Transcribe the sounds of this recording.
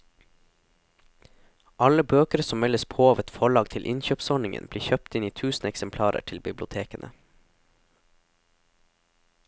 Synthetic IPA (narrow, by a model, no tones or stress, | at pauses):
ʔɑləbøːkəɾəsɔmɛləspʰoːɑːʋɛt̪fɔɭɑːɡ̚t̪ʰɪlʔɪnçøːpsɔɳɪŋə̰nb̥liːçœp̚t̪ɪniːt̪ʰʉːsn̩ɛksəmpʰlɑːɾə̰ʈʰɪlbɪblʊt̪ʰeːkənʔə